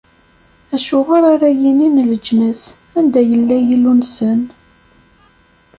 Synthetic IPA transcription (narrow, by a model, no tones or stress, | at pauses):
æʃʊʁəɾaɾæjininləd͡ʒnəs | ænd̪æjəlːæjilːunsən